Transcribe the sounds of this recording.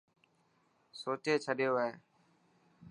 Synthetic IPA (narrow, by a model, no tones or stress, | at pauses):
soːt͡ʃeːt͡ʃʰəɗjoːɦẽː